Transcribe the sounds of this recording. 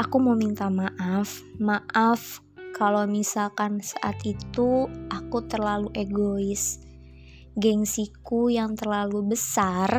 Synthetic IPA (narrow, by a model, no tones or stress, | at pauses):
akumomint̪amaʔafmaʔaf | kalomisalkansaʔa̰t̪it̪uʔakut̪ərlaluʔeɡoɪs | ɡɛŋsikujaŋt̪ərlalubəsar